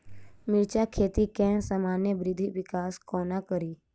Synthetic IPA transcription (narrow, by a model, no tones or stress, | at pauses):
mɪɾt͡ʃakʰeːt̪ikɛ̃ːnsamaːnjəbɾɪd̪ʱiʋɪkaːskoːnakəɾiː